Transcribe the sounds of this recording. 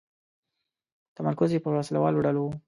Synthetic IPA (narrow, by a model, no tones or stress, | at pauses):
t̪amaɾkʊzjepəwaslawɑloɖalowu